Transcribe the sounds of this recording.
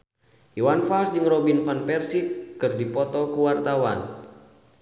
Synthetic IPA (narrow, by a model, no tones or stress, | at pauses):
juwanfalsd͡ʒɨŋrɔbinfanpɛrsikɨrdipɔt̪ɔkuwart̪awa̰n